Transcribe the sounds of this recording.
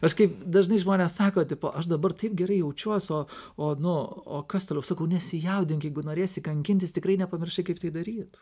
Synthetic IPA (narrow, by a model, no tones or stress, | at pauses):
ɐʃkɐɪpd̪ɐʒnɐɪʒmoːnʲeɛssɑːkoːt̪ʲɪpo̰ːʔɐʃd̪ɐbɐrt̪ɐɪp̚ɡʲɛɾɐɪjɛʊt͡ʃʲuɔsoːoːnʊoːkɐst̪oːlʲɛʊsɐkɐʊnʲɛsʲɪjɛʊd̪ʲɪŋkjɛɪɡʊnoːɾʲeːsʲɪkɐŋʲkʲɪnʲt̪ʲɪst̪ʲɪkɾɐɪnʲɛpɐmʲɪrʲʃʲɐɪkɐɪpt̪ɐɪd̪ɐɾʲiːt̪